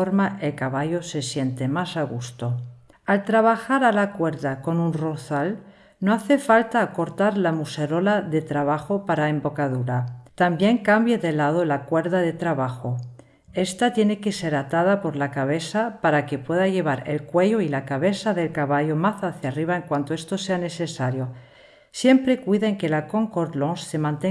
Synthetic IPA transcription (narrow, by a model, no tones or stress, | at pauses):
oɾmaʔe̞lkaβaʝose̞sje̞nt̪e̞masaɣust̪o̞ | alt̪ɾaβ̞axaɾalakwe̞ɾðako̞nunroθal | noaθe̞falt̪aːko̞ɾt̪aɾlamuse̞ɾo̞laðe̞t̪ɾaβ̞axopaɾaembo̞kaðuɾat̪ambje̞ŋkambjeðe̞lað̞olakwe̞ɾðaðe̞t̪ɾaβaxo | e̞st̪at̪je̞ne̞ke̞se̞ɾat̪að̞apo̞ɾlakaβ̞e̞θapaɾake̞pwe̞ðaʝe̞β̞aɾe̞̰lkwe̞ʝoilakaβe̞saðe̞lkaβaʝomaθaθjariβ̞aeŋkwant̪oe̞st̪ose̞ane̞sesaɾjo̞ | sje̞mpɾe̞kwiðaeŋke̞lako̞ŋkoɾloŋse̞mãnt̪e